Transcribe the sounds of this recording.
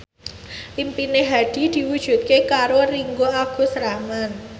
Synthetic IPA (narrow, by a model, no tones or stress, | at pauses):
limpineɦaɖ̥i̤d̪̥i̤wud̥ʒ̥ṳt̪̚kekaɾoriŋɡoaɡ̥ṳsɾaman